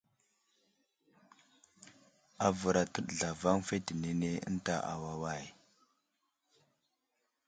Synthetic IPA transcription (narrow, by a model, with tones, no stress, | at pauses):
a˨və˨ɾa˨tə˦ɗɮa˨va˦ŋfe˦ti˨ne˦ne˦ə̰˦n˦ta˦ʔa̰˨wa˦wa˦˨j